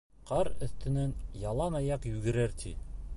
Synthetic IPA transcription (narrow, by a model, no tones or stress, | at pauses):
qɑɾɵ̆θt̪ɘ̆nænjɑlˠɑnɑjɑqjʉɡɘ̆ɾæɾt̪ʰi